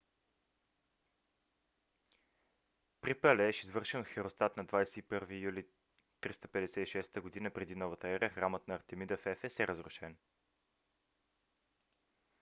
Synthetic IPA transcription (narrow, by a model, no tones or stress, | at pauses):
pɾipəlɛɛʃizvɤɾʃɛnxɛɾost̪at̪nɐd̪vajsɛipɤɾvijuli | t̪ɾist̪əpɛd̪ɛsɛiʃɛst̪əɡod̪inəpɾɛd̪inɔvət̪əɛɾəxɾamət̪nɐːɾt̪ɛmid̪əfɛfɛsɛɾəzɾʊʃɛn